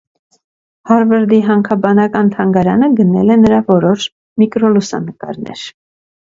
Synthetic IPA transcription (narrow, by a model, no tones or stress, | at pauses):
hɑɾvəɾd̪iɦɑŋkʰɑbɑnɑkɑnt̪ʰɑŋɡɑɾɑ̰nəɡənɛ̰lɛnəɾɑvɔɾɔʃ | mikɾɔlusɑ̰nəkɑ̰ɾnɛ̰ɾ